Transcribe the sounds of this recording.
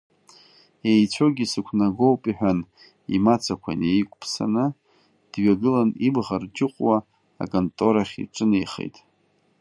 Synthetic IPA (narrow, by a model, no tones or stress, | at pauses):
e̞jt͡sʷʰo̞ɡʲisɨkʷʰnaɡo̞wpʼiħᶣan | ḭmat͡sʰakʷʰa̰nejkʷʼpʰsa̰nɨ | d̥ɥaɡɨlanibʁard͡ʒɪqʷʼwa̰ː | kʼontʼo̞ɾaχʲḭʈ͡ʂʼɨnejχḛjtʼ